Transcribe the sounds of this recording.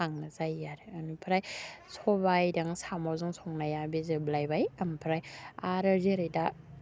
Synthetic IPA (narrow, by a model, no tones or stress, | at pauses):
aŋnazajːaɾɯanupʰɾajsʰɔbajdaŋsamawzɯŋsʰɔŋnajabizɯblajbajampʰɾajaɾaɾziɾɯjda